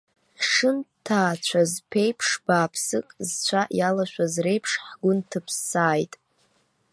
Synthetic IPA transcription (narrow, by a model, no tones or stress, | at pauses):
ʂɨntʰaːt͡ɕʷʰazpʰe̞jpʰʂb̥aːpʰsɨkʼzt͡ɕʷʰaʔjalaʃᶣʷazre̞jpʰʂħɡʷʊntʰɨpʰsːaːjtʼ